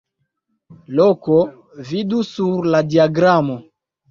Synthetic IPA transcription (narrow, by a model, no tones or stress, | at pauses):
loko | vidusuɾladiaɡɾamo